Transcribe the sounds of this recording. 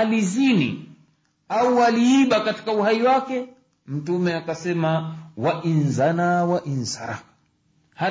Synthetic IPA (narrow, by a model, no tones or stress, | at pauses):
alizinḭ | auwaliːɓakati̥kauhaiwakɛ | m̩tumɛakasɛmawaʔinzanawaʔinsa̰ɾa̰ | ha